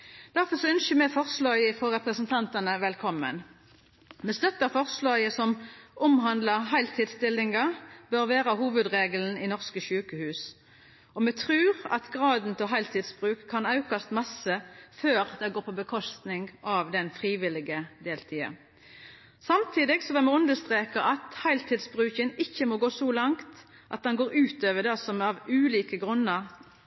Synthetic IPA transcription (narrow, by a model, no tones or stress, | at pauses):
d̪̥æʁfɔʁsɔœnʃəmɛfɔʁslɑːəfɔʁɛpʁəsənt̪ʰɑnt̪ənəʋɛlkʰɔmːə̰n | mɛst̪œt̪ːɑfɔʁslɑːjəsɔmʔʊmɦɑnd̪ləʁɦɑɪlt̪ʰiːd̪st̪ɪlːɪŋɑbœʁʋæːɾəhuːʋəd̪ʁeːɡəln̩ɪnɔʁskəʃʉːkəhʉːs | ɔmɛt̪ʰʁʉːʁɑ̰t̪ɡʁɑːd̪nt̪ʰɪɦɑɪlt̪ʰiːd̪sb̥ʁʉːkʰːɑnɑʉkʰɑst̪mɑsəføːʁd̪ɛɡoːpʰɔbəkʰɔst̪nɪŋɡɑʋd̪ɛnfʁiːʋɪlɪɡəd̪eːlt̪ʰiːə̰ | sɑmt̪ʰiːd̪ɪɡsɔʋɛmɛʉnd̪əst̪ʁeːkɑʔɑt̪hɑɪlt̪ʰɪːd̪sbʁʉːçənɪçːəmɔɡoːsɔlɑŋt̪ | ʔɑt̪̚d̪ɛnɡoːɾʉːt̪øːʋəd̪ɑsɔmɑʋʉːliːkəɡʁʉnːəʁ